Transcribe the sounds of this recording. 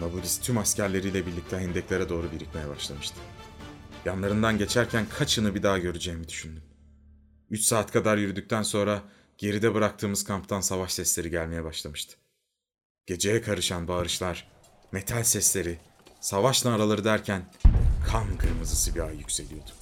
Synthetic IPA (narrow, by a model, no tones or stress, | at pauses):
nabud̪ist̪ʰymascæɾlʲe̞ɾiːjlʲɛbiɾlʲic̚t̪ɛɦɛnd̪ɛclʲeɾad̪o̞ːɾubiɾit̪me̞jɛbaʃlˠamɯʃt̪ʰɯ̥ | janlˠaɾɯnd̪anɟe̞t͡ʃʰæɾcʰænkʰat͡ʃʰɯnɯbid̪aːɟø̞ɾyd͡ʒɛjmid̪yʃynd̪ym | yt͡ʃsaːt̪kʰad̪aɾjyɾyd̪yc̚ʲt̪ʰænso̞nɾa | ɟ̥e̞ɾid̪ɛbɯɾakt̪ʰɯːmɯz̥kʰampt̪ʰansavaʃsɛslʲe̞ɾiɟælʲme̞jɛbaʃlˠamɯʃt̪ʰɯ̥ | ɟ̥e̞d͡ʒe̞jɛkʰaɾɯʃanbaːɾɯʃlˠaɾ̥ | me̞t̪ʰalʲsɛslʲe̞ɾi | savaʃnaːɾalˠaɾɯd̪æɾcʰænkʰankʰɯɾmɯzɯsɯbiaɯjycʲse̞lʲijo̞d̪̥ʊ̥